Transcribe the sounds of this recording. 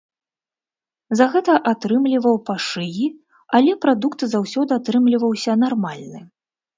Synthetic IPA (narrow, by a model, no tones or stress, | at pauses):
zɐɣɛt̪ɐʔat̪ɾɨmlʲivɐwpaʂɨji | alʲɛpɾad̪ukt̪zawsʲɔd̪ɨat̪ɾɨmlʲivɐwsʲɐnarmalʲnɨ